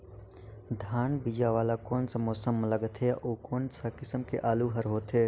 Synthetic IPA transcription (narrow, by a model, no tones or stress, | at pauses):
d̪ʱaːnbid͡ʒaʋaːlakoːnsɐmoːsəmːləɡt̪ʰɦeːʔoːkoːnsakɪsəmkḛʔaːluɦəɾɦoːt̪ʰeː